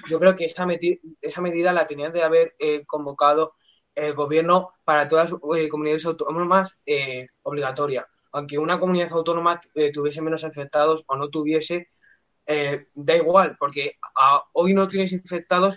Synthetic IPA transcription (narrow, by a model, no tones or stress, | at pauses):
ɟ͡ʝo̞kɾe̞okeesameie̞same̞ð̞iðalat̪e̞niand̪e̞aβ̞e̞ɾeko̞mbo̞kað̞o̞ | elɣo̞βje̞ɾno̞paɾat̪o̞ðas̬eko̞muniðaðe̞sawt̪onomase | o̞βliɣ̞at̪o̞ɾja | awŋke̞unako̞muniðaθawt̪o̞no̞maet̪uβje̞s̬e̞mẽ̞no̞siɱfek̚t̪að̞o̞so̞no̞t̪̬uβ̞je̞se̞ | ed̪aiɣ̞walpo̞ɾke̞ao̞jno̞t̪je̞ne̞s̬iɱɱfe̞k̚t̪aðo̞s